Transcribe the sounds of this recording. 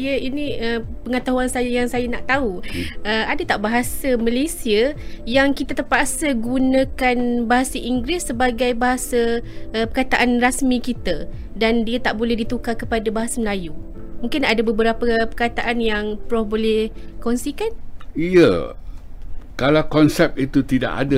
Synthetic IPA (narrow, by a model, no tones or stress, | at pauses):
ajəinĩəpəŋət̪aɦuansajajaŋsajanaʔt̪auʔəadat̪aʔbaɦasamə̃lesiəjaŋkit̪at̪ərpaʔsəɡunə̃kanbaɦasaʔiŋɡɾɪsːəbaɡajbaɦasaəpərkat̪aʔanrasmĩkit̪a | dandiat̪aʔbolɛhdit̪ukakəpadabaɦasaməlaju | mũŋkɪnadabəbəɾapəpərkat̪aʔanjaŋpɾɔhbolɛhkɔnsikanijə | kalakɔnsɛp̚it̪ut̪ida̰ʔa̰da